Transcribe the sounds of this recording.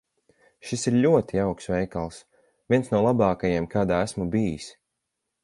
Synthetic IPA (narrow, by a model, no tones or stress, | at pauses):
ʃisiɾʎʲuɔt̪iawksvɛjkalˠs | vʲiɛnsnuɔlˠabɑːkajemkaːd̪aːæsmubijis